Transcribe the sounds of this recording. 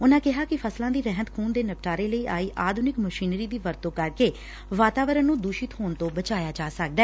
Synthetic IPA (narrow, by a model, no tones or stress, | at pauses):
ʊnãːkɪɦaːkɪpʰəslãːd̪iːɾɛɦət̪kʰuːnd̪eːnəp̚ʈaːɾeːləiːʔaːiːʔaːd̪ʱʊnɪkməʃiːnɾiːd̪iːʋəɾt̪õːkəɾkeː | ʋaːt̪aːʋəɾənnːũːd̪uːʃɪt̪ɦoːnt̪õːbət͡ʃaːjaːd͡ʒaːsək̚d̪ɛː